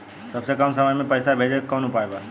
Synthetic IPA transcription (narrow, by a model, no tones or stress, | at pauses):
sɐbsekəmsəməjmẽpəɪsabʱeːd͡ʒekɔːnupaːeba